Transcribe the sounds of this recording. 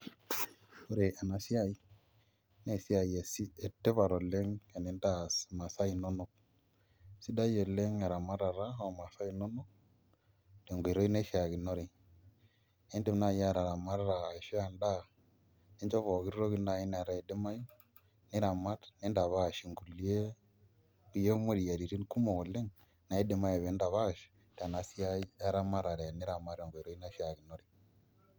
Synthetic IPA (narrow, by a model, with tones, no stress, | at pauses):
o˦ɾe˨a˨na˨si˦a˦i˦ | ne˦˨si˦a˨je˨si˦e˨tːe˦βa˨ɾɔ˨le˦ŋe˨ni˨nda˦˨ma˨sa˦i˨no˦nu˦k̚ | si˦da˦jɔ˨le˦ŋe˨ɾa˨ma˦ɾa˨ɾa˦o˨ma˨sa˦i˦no˦nʊ˦k̚ | d̥e˨ŋɡo˨ɾo˦i˦ne˦ʃi˨˦a˨ɡi˨no˦ɾe˨ | ne˦ndi˦mna˦˨ja˦˨ɾa˨ɾa˨ma˦ɾɾaː˨ʃi˦a˨nda˦ | ne˦nd͡ʒɔ˦vɔ˨ki˦ɾɾo˦ɣi˦nda˦i˦na˨ɾa˨e˨dɪ˦ma˦ju˦ | nɪ˦ɾa˨ma˦tne˦nda˨βa˦˨ʃi˨ŋɡu˨li˦e˦ | u˨je˦mo˦ɾi˨ja˨ɾi˨ɾi˦nku˦mo˨le˦ŋ | na˨i˦dɪ˨ma˦jɔ˨βe˨˦nda˨βa˦˨ʃ | da˨na˨si˦a˦a˦ɾa˦ma˦ɾa˨ɾɛ˨nɪ˦ɾa˨ma˦ɾe˨ŋɡo˨i˨ɾo˦i˦na˦ʃa˨ɡi˨no˦ɾi˨